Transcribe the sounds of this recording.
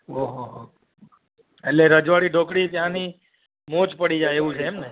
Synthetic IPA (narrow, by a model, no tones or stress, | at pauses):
ɦoɦoɦo | eʈleɾəd͡ʒʋaɽiɖʱokɽit̪jãni | mot͡ʃpəɽid͡ʒajeʋũt͡ʃʰeːmne